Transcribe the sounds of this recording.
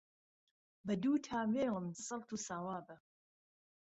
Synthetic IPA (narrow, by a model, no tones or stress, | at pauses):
bɐd̪uːt̪ʰaːmeːləmsɐlˠt̪ʰuːsaːwaːbə